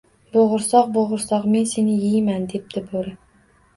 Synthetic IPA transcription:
boʁʊɾsɒq̚boʁʊɾsɒqme̞nse̞nɪjɪjmand̪e̞p̚d̪̥ɪboɾɪ

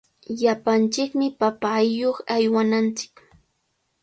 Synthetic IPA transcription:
ʎapant͡ʃɪkmɪpapajːoχajwanant͡ʃɪ̥k

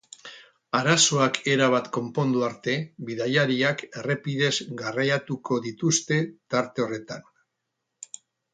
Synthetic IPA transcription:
aɾaso̞akʰe̞ɾaβ̞at̪ko̞mpo̞nd̪uaɾt̪e̞biðajaɾiake̞re̞pið̞e̞zɡarajat̪uko̞ðit̪ust̪e̞t̪aɾt̪e̞o̞re̞t̪an

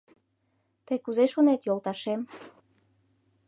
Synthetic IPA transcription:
t̪əjkuzeʃunet̪jolˠt̪ɑʃem

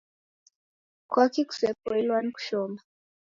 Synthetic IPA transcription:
kʰwakiku̥sɛp̚ɔilwanku̥ʃɔma

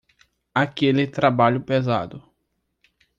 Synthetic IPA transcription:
akelɪt̪ɾabaʎʊpeza̰d̪ʊ

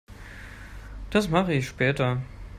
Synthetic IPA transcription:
d̥asmaχəɪçʃpɛːtɐ

